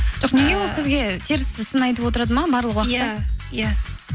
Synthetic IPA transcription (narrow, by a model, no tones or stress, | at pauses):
ʒ̥o̞qne̞ɡʲewo̞lˠsɪzɡʲe̞t̪ʰeɾɪszʊsənɑjt̪əpwo̞t̪əɾɑd̪əmɑbɑɾlˠəqwɑːja